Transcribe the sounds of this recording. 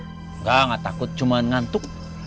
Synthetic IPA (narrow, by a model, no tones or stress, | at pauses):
ŋɡaŋat̪akut̪̚t͡ʃumanŋant̪uk̚